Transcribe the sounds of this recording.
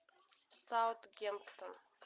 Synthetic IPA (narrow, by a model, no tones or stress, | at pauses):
sawt̪ɡʲempt̪ʰən